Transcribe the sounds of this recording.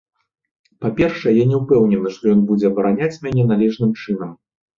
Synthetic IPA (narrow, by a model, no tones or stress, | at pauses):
papʲɛrʂɐjɛjanʲɛwpɛwnʲɛnɨʂt̪ɔjɔnbud͡zʲɛɐbɐɾanʲat͡sʲmʲanʲɛnalʲɛʐnɨmt͡ʂɨn̪ɐm